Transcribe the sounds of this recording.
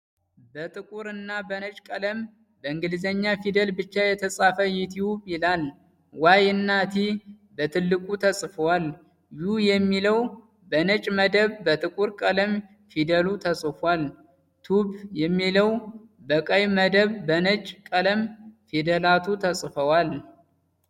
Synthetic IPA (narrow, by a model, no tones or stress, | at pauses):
bət̪ʼɨkʼuɾɨnːabənət͡ʃʼkʼələm | bəɨŋɡɨlzəɲːafid̪əlbɨt͡ʃːajɛt̪ʰəsʼafəjɪt̪ʰiwubjɪlal | wajɨnːat̪ʰi | bət̪ʰɨlːɨkʼut̪ʰəsʼfəwal | jujɛmːiləw | bənət͡ʃʼməd̪əβːət̪ʰɨkʼuɾkʼələm | fid̪əlut̪ʰəsʼɨfal | t̪ʰubjɛmːiləwbəkʼəjməd̪əβbənət͡ʃʼkʼələmfid̪əlat̪ʰut̪ʰəsʼfəwal